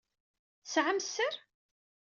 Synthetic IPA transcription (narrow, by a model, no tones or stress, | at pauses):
sʕamsəɾ